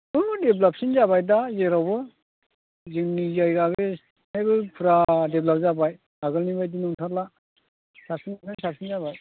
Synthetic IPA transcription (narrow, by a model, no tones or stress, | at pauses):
umɯdeblap̚sinzabajdazeɾawbɯ | zɯŋnizajɡaβe | najbɯpʰɯɾadeblap̚zabaj | aɡɯlnibajd̬inɔŋtʰaɾla | sapsinnasap̚sinzabaj